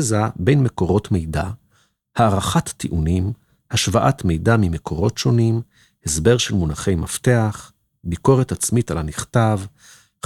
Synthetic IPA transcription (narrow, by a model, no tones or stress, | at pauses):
zabe̞jnme̞ko̞ʁo̞tme̞jda | haːʁaχatːiʔunim | haʃvaʔatme̞jdamime̞kʰo̞ʁo̞tʃo̞nim | hesbe̞ʁʃe̞lmunaχe̞jmafte̞aχ | biko̞ʁe̞tat͡smitalaniχtav